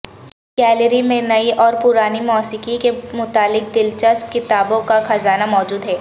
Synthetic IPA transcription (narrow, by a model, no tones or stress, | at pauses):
ɡ̥ɛːləɾimẽnɐiʔɔːɾpʊɾaːnimɔːsɪkikemʊt̪aːlːɪk̚d̪ɪlt͡ʃəsp̚kɪt̪aːbõkaxɐzaːnamɔːd͡ʒuːd̪ɦɛː